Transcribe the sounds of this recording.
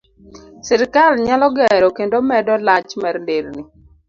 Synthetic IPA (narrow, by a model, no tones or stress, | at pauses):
sɪɾkalɲalɔɡɛɾɔkendomɛdɔlat͡ʃmɛɾndeɾni